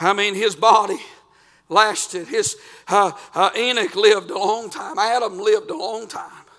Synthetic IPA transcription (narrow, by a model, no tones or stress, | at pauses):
aɪmĩnɪzbɑɾi | læstɨd̚ɪz̥ʌʔɪnɨklɪvdəlɔ̃ŋtʰãɪ̃mæɾə̃mlɪvdəlɔ̃ŋtʰãɪ̃m